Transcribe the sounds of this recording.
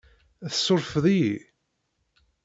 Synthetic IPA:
æθə̥sːʊɾˤfðˤii

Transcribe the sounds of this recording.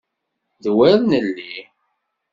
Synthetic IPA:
ðwæɾnəlːi

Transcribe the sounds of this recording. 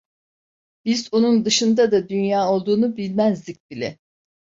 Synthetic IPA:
b̥izonund̪ɯʃɯnd̪ad̪ad̪ynjaːo̞lˠd̪uːnubilʲmæzd̪ic̚ʲbilʲɛ̰

